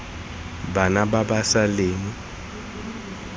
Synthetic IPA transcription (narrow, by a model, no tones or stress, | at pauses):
banababasaleːŋ̩